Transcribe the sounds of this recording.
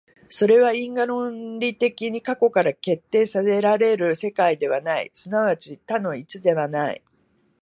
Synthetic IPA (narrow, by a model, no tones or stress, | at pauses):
so̞ɾe̞βaĩŋɡaɾõ̞nɾʲit̪e̞kʲiɲ̟ikako̞kaɾake̞t̪ːe̞ːsase̞ɾaɾe̞ɾɯ̟se̞kaid̪e̞βanaḭsɨnaβat͡ɕit̪anõ̞it͡sɨd̪e̞βanaḭ